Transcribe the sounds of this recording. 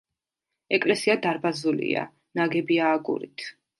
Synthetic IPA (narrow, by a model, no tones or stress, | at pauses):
ɛkʼlɛsiad̪aɾbazulḭa̰ | naɡɛbiaːɡṵɾḭt̪ʰ